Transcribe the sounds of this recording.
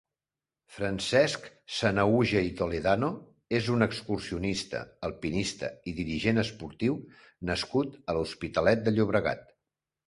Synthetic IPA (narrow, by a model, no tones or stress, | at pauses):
fɾənsɛsk | sənəuʒəit̪oleðano | ezunəkskursiunist̪ə̰əlˠpinist̪ə̰iðiɾiʒenəspuɾt̪iw | nəskut̪əluspit̪əlɛt̪̚d̪əʎuβɾəɣa̰t̪